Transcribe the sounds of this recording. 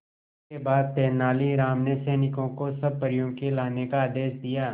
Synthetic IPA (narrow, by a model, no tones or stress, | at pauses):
ebaːd̪̚t̪ɛːnaːliɾaːmnesɛːnɪkõkosɐb̚pɐɾijõkelaːnekaːd̪eːʃd̪ijaː